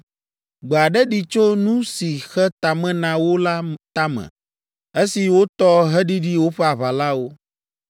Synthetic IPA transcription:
ɡ͡bo˨a˨ɖɛ˦ɖi˨t͡ʃo˦nũ˦si˨xɛ˦t̪a˨mɛ̃˦nã˨wo˦la˦t̪a˦mɛ̰̃˨ | e˦si˨wo˦t̪ɔ˦ɦɛ˦ɖi˦ɖi˦wo˦ɸɛ˦a˨βa˨la˦wo˦

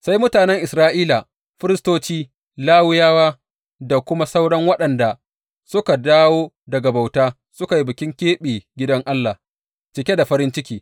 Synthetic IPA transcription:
sa˦jmʊ˦taː˨nɛ˦ŋʔɪ˨sɾaː˦ʔiː˦la˨ | ɸɪ˦ɾɪ˦stoː˦t͡ʃiː˦ | laː˦wʊ˦jaː˦waː˦ | da˨kʷʊ˦ma˦sa˦wɽɐ˦ŋwɐ˦ɗɐ˨nda˨ | sʊ˦ka˨daː˦woː˦ | dɐ˨ɡa˨ba˨wtaː˦ | sʊ˦ka˨ji˦bɪ˨kʲɪ˦ŋkʲeː˦ɓiː˨ɡʲɪ˦dɐ˦ŋʔa˦lːaː˨ | t͡ʃɪ˨kʲe˦da˨ɸɐ˦ɾɪ˦nt͡ʃɪ˦kʲiː˦

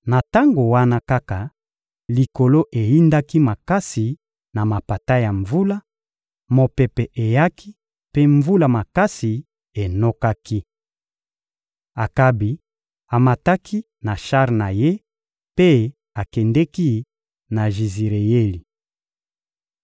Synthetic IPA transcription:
na˨ta˦ŋɡo˨wa˦na˦ka˦ka˨ | li˨ko˨lo˦ʔe˨ji˦nda˦ki˦ma˨ka˦si˨ | na˨ma˨pa˨ta˦ja˨ɱvu˦la˦ | mo˨pɛ˨pɛ˨ʔe˨ja˦kʰi˦ | pe˦ɱvu˦la˨ma˨ka˦si˨ | e˨no˦ka˦ki˦ | a˨ka˦bi˨ | a˨ma˨ta˦ki˦ | na˨ʃa˦ʁna˨je˦ | pe˦ | a˨kɛ˨ndɛ˦ki˦ | na˨ʒi˨zi˨ʁe˨je˦li˨

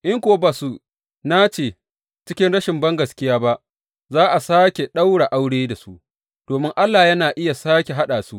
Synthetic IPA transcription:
ʔɪ˦ŋkʷʊ˨wa˦baː˨su˦ | na˦t͡ʃeː˨ | t͡ʃɪ˦kʲɪ˦nɽɐ˦ʃɪ˨mbɐ˦ŋɡɐ˨skʲɪ˦jaː˦ba˦ʔ | zaː˦ʔa˨saː˦kʲe˨ɗa˦wɽa˨ʔa˦wɽeː˦da˨su˦ʔ | d̥oː˨mɪ˦ŋʔa˦lːaː˨jɐ˦naː˨ʔɪ˦ja˨saː˦kʲe˨ɦa˦ɗaː˨su˦ʔ

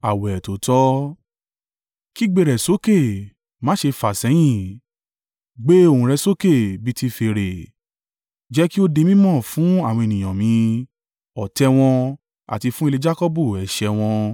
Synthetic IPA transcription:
a˨wɛ˨to˨˦tɔ˦ | ki˦ɡ͡be˦˧˨ɾɛ˨so˨˦ke˦˨ | mã˨˦ʃe˧fa˨sɛ˨˦j̃ĩ˦˨ | ɡ͡be˦o˨hũ˨ɾɛ˧so˦ke˦˨bi˦ti˧fe˧ɾe˨ | d͡ʒɛ˦ki˦o˦de˧mĩ˦mɔ̃˦˨fũ˨˦a˦˨w̃ɔ̃˧e˨nĩ˨j̃ã˨mĩ˨˧˦ | ɔ˨tɛ˧w̃ɔ̃˧ | a̰˨ti˧fũ˦i˧le˧d͡ʒa˦kɔ˦bu˦˨ɛ˨ʃɛ˧w̃ɔ̃˧

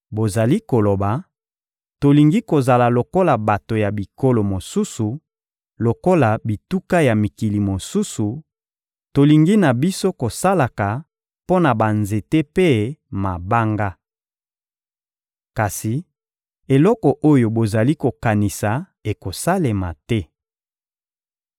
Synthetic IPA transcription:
bo˨za˨li˦ko˨lo˨ba˨ | to˨li˨ŋɡi˦ko˨za˨la˨lo˨ko˦la˨ba˨to˨ja˨bi˨ko˦lo˨mo˨su˦su˨ | lo˨ko˦la˨bi˨tu˦ka˦ja˨mi˨ki˨li˨mo˨su˦su˨ | to˨li˨ŋɡi˦na˨bi˦so˦ko˨sa˦la˨ka˨ | po˦na˨ba˨nze˨te˦pe˦ma˨ba˦ŋɡa˦ | ka˨si˨ | e˨lɔ˦kɔ˨ʔo˦jo˨bo˨za˨li˦ko˨ka˨ni˨sa˨ | e˨ko˨sa˦le˨ma˨tɛ˦

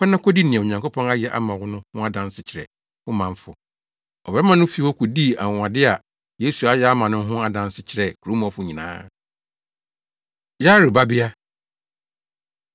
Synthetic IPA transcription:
kɛ˦nã˦kʰɔ˦di˦nĩ˨ɛ˨o˨ɲã˨ŋko˦pʰɔ̃˦na˦jɛ˨ʔa̰˦mã˨wʊ˦nʊ̃˦hʊ̃˦a˦dã˨˦n˦sɪ˨t͡ɕʰɪ˨ɾɛ̰˨ | ʊ˦mã˨ɱ˦fʊ˨ | ɔ˨bɛ˦mã˦nʊ̃˦fi˦hɔ˦kʰʊ˨di˦˨a˨ã˨dɪ˦a˨ | je˦su˨a˦jɛ˨˦a˦mã˨nʊ̃˦ɦʊ̃˦a˦dã˨n˦sɪ˦t͡ɕʰɪ˨ɾɛ˨kʰu˨ɾo˨˦m˨ɔ̃˨fʊ˨ɲĩ˨nã̰ː˦ | ja˦ɾʊ˨ba˦bɪ˦a˦

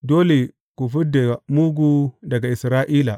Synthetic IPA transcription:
doː˦le˨ | ku˨fi˦da˨a˨mu˦ɡu˦dɐ˨ɡa˨ʔɪ˨sɾaː˦ʔiː˦la˨

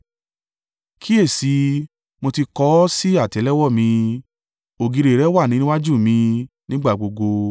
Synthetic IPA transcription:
kʰi˦e˦˨si˧˦ | mo˧ti˧kɔ˦si˦a˦˨tɛ˨˦lɛ˦wɔ˦˨mĩ˧ | o˨ɡi˧ɾe˨ɾɛ˨˦wa˦˨nĩ˨˦nĩ˦wa˦d͡ʒu˦˨mĩ˧ | nĩ˦ɡ͡ba˦˨ɡ͡bo˧ɡo˧

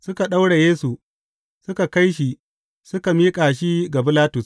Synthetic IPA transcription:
sʊ˦ka˨ɗa˦wɽe˨jeː˦su˨ | sʊ˦ka˨ka˦jʃi˨ | sʊ˦ka˨miː˦kʼaː˨ʃ̬i˦ɡa˨bɪ˦laː˦tʊ˨s

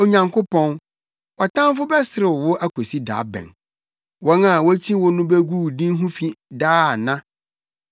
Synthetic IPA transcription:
o˨ɲã˨ŋkʰʊ˦pʰɔ̃˦n | wɔ˨tʰã˦m˦fʊ˦bɛ˦sɪ˨ɾɪ˨wʊ˦ʔæ˦kʰo˨si˦da̰ː˨˦bɛ̰̃˨n | wɔ̃˦na˨wɔ˦t͡ɕʰĩ˦wʊ˦nʊ̃˦be˦ɡuː˦˨dĩ˦n˦ɦũ˦fi˦daː˦a˨nã˦

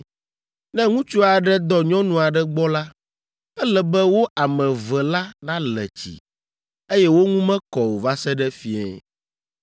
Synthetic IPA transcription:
nɛ̃˦ŋũ˦t͡ʃu˦a˨ɖɛ˦d̪ɔ˨ɲɔ̃˦nũ˨a˨ɖɛ˦ɡ͡bɔ˦la˦ | ɛ˦lɛ˨bɛ˦wo˦ʔa˨mɛ̃˨vɛ˨la˦nã˦lɛ̰˨t͡ɕḭ˨ | e˦jɛ˦wo˦ŋũ˦mɛ̃˦kɔ˨wo˨va˦sɛ˦ɖɛ˦fi˦ɛ̰˦

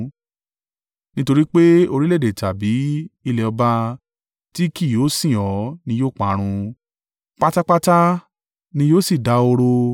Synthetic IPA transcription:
nĩ˦to˧ɾi˦k͡pe˦o˧ɾi˦le˦˨de˨ta˨bi˨˦i˧lɛ˧ɔ˧ba˧ | ti˦ki˦˨joː˨˦sĩ˦˨ɔ˨˦nĩ˧joː˦˨k͡pa˨˦ɾ̃ũ˧ | k͡pa˦ta˦k͡pa˦ta˦ | nĩ˧jo˦˨si˦˨da˨˧o˧ɾo˧

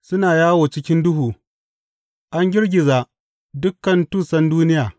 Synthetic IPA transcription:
sʊ˦naː˨jaː˦woː˨t͡ʃɪ˦kʲɪ˦ndʊ˦ɦuː˨ | ʔa˦ŋɡʲɪ˦ɽɡʲɪ˨zaː˨ | dʊ˦kːɐ˨ntuː˦˨sɐ˦nduː˦nɪ˦jaː˨

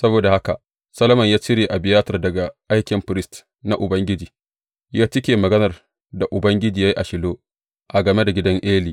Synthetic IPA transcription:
sɐ˦boː˨da˨ha˦ka̰˨ | sɐ˦lɐ˦mɐ˨ɲjaː˦t͡ʃɪ˦ɾeː˨ʔa˨bɪ˨jaː˦tɐ˨rdɐ˨ɡa˨ʔa˦jkʲɪ˨mɸɪ˦ɾɪ˦st | na˨ʔʊ˨bɐ˦ŋɡʲɪ˦d͡ʒiː˨ | jaː˦t͡ʃɪ˦kʲeː˨mɐ˨ɡɐ˦nɐ˨r | da˨ʔʊ˨bɐ˦ŋɡʲɪ˦d͡ʒiː˨ja˦ji˦ʔa̰˨ʃɪ˨loː˦ | ʔa˨ɡɐ˨me˦da˨ɡʲɪ˦dɐ˦ŋʔeː˦liː˨

